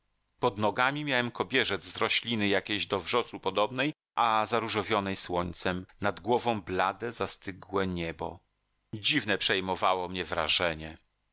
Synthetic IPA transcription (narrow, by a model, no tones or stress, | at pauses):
pɔd̪nɔɡamʲimʲjawɛmkɔbʲjɛʐɛd̪zzɾɔɕlʲinɘjakʲeʑd̪ɔvʐɔsupɔd̪ɔbnɛj | ʔazaɾuʐɔvʲjɔnɛjswɔɲt̪sɛmnad̪ɡwɔvɔ̃w̃blad̪ɛzast̪ɘɡwɛɲɛbɔ̰ | d͡ʑivnɛpʂɛjmɔvawɔmɲɛvɾa̰ʐɛɲɛ